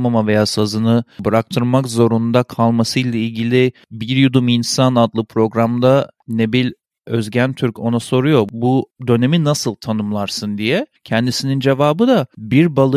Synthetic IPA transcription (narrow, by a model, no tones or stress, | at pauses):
mamave̞jaːsazɯnɯbɯɾak̚t̪ʰɯɾmakzo̞ɾund̪akʰalˠmasɯjlʲˠailʲɟilʲi | biɾjud̪uminsanad̪lˠɯpʰɾo̞ɡɾamd̪anebilʲ | øzɟænt̪ʰyɾcʰo̞naso̞ɾujo̞bud̪ø̞ne̞minasɯlˠt̪ʰanɯmlˠaɾsɯnd̪ijɛcʰɛnd̪isinind͡ʒe̞vaːbɯd̪abiɾbalˠɯ